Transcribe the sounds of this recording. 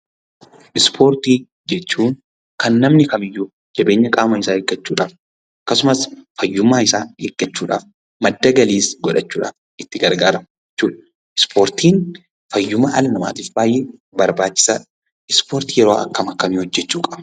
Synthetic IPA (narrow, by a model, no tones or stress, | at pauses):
ʔɪspʰo̞ːɾt̪iː | d͡ʒɛt͡ʃːuːn | kɐnːɐmnɪkɐmɪjːuː | d͡ʒɐbe̞ːɲːɐkʼaːmɐɪsaːeɡːɐt͡ʃːuːᶑaːf | ʔɐkːɐsʊmɐsfɐjːʊmːaːɪsaːeːɡ̥ːɐt͡ʃːuːᶑa̰ːf | mɐd̪ːɐɡɐliːsɡɔᶑɐt͡ʃːuːᶑaːf | ʔɪt̪ːɪɡɐɾɡaːɾɐmd͡ʒɛt͡ʃːuːᶑɐ | ʔɪspʰo̞ːɾt̪iːn | fɐjːʊmaʔɐlɐnɐma̰ːt̪iːfbaːjeː | bɐɾbaːt͡ʃːɪ̥sa̰ːᶑ | ɪspoːɾt̪iːjɛɾoːʔɐ̰kːɐmɐkːɐmiːhɔd͡ʒːɛt͡ʃːuːkʼɐ̥